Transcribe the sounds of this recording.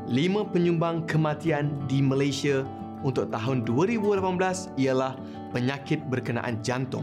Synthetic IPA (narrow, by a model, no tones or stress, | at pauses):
limãpəɲũmbaŋkəmãt̪iandimə̃lajsia | unt̪ʊk̚t̪aɦʊnduaɾibulapanblas | ialah | pəɲãkɪt̪̚bərkəna̰ʔa̰nd͡ʒant̪ʊ̰ŋ